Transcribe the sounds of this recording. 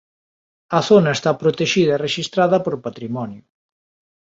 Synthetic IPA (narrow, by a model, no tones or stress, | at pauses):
ɐθonɐest̪apɾot̪eʃiðɐereʃist̪ɾaðɐpoɾpat̪ɾimɔnjʊ